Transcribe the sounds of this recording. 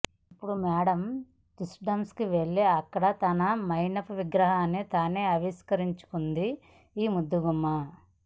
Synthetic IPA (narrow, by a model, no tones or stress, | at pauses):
ipːuɽumɛːɽɐm | t̪usɖɐmskiʋe̞ɭːeɐkːɐɽɐt̪ɐnɐmɐjnɐpuʋiɡɾɐɦaːnːit̪aːneːɐʋiskɐɾiɲt͡ʃu̥kund̪i | iːmud̪ːuɡumːɐ